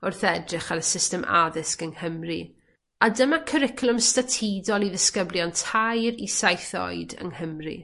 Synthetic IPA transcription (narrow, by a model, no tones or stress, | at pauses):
ʊrθɛdrɪχaɾəsɪstɛmʔa̰ðɪskəŋhəmri | adəmakʰəɾɪkʰlˠʊmstatʰidɔlˠiðəskəbljɔntʰajɾisajθɔ̰ɨjdə̰ŋhəmrḭ